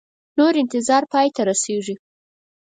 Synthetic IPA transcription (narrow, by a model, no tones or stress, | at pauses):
noɾɪnt̪ɪzɑɾpɑjt̪aɾaseʐi